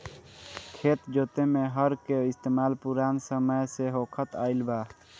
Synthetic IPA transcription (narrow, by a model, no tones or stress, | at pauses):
kʰeːt̪d͡ʒoːt̪emeɦəɾkeɪst̪eːmaːlpuɾaːnsəməjseɦokʰət̪aːɪlbaː